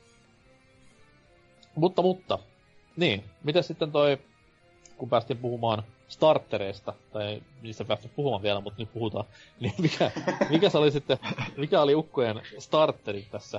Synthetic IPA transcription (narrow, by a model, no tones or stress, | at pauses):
mut̪ːɑmut̪ːɑ | niːnmit̪æssit̪ːent̪oi | kumpæːst̪iːmpuhumɑːn | st̪ɑrt̪ːeɾeist̪ɑt̪ɑiniːst̪æpæːst̪yp̚puhumɑːʋiælæmut̪nyt̪̚puhut̪ɑː | niːmikæmikæsolisit̪ːemikæoliukːojenst̪ɑrt̪ːeɾit̪t̪æsːæ